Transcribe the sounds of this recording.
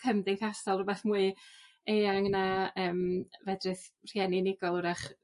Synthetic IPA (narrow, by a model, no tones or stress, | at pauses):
kʰəmdɪŋkʰasɔlˠɔbɛθmwɨ | ejaŋnaəːmvɛdrɨθr̥jɛninɪɡɔlˠɾaχ